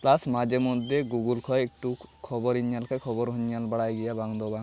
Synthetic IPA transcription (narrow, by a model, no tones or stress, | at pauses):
plasmad͡ʒemɔd̪ʱjeɡuɡulkʰɔjek̚ʈukʰɔbɔɾiɲjalkʰajkʰɔbɔɾɦuɲːalbaɽajɡɛjabaŋd̪ɔbaŋ